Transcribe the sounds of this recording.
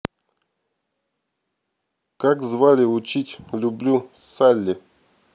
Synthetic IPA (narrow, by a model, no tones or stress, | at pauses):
kakzvalʲɪʊt͡ɕitʲlʲʊblʲusalʲːɪ